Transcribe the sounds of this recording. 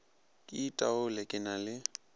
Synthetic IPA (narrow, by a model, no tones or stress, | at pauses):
kʼɪitʼaʊlɛkʼɪnalɪ